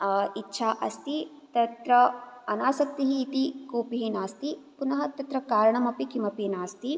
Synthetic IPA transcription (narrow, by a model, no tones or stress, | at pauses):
itːʃʰaːʔɐst̪i | t̪ɐt̪ɾɐɐnaːsɐk̚t̪iɦiːt̪ikoːpiɦinaːst̪ipunɐɦɐt̪ɐt̪ɾɐkaːɾɐɳɐmɐpikʰimɐpeːnaːst̪i